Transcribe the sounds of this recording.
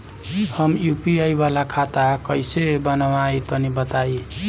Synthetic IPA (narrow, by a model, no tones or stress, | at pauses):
həmjupiajbalakʰat̪akʌjsebənawait̪ənibət̪ai